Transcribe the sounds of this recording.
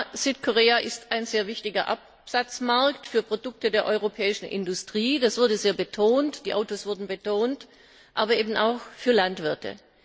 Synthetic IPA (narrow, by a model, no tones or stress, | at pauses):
z̥yːtkʰoʁeːaʔɪstaɪnzeːɐvɪçtɪɡɐʔap | z̥at͡smaɐktfyːɐpʁ̥odʊk̚tədeːɐʔɔʏʁopʰɛːɪʃn̩ʔɪ̰ndʊstʁ̥iːd̥asv̥ʊɐdəzeːɐbətʰoːntd̥iːʔaʊtoːsv̥ʊɐdn̩bətʰoːnt | ʔaːbɐʔeːbn̩aʊxfyːɐlantv̥ɪɐtʰə̰